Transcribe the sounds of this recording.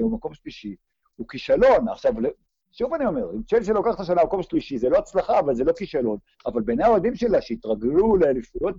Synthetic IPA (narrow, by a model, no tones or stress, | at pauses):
omako̞mʃliʃi | ukiʃalo̞na̰χʃavle | ʃuvanio̞me̞ʁimt͡ʃelʃelokaχt̪aʃ̬anamako̞mʃliʃizeloat͡slaχaːvalze̞lo̞kiʃalo̞n | avalbenejaod̪imʃelaʃeit̪ʁaɡluleːlifut̪̚